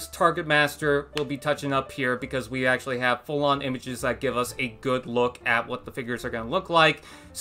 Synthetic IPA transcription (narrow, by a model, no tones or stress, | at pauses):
stʰɑɹɡɨt̚mæstə˞wɪlˠbitʰʌt͡ʃɪ̃ŋʌphiɹbɨkʰʌzwiæk̚t͡ʃʉl̩ˠiɨv̥fʊlˠə̃nɪ̃mɨd͡ʒɨzðɨt̚ɡ̥ɪvʌsɨɡʊdˡlʊkɨt̚wʌt̪̚ðəfɪɡjə˞zə˞ɡʌnəlʊklaɪk | s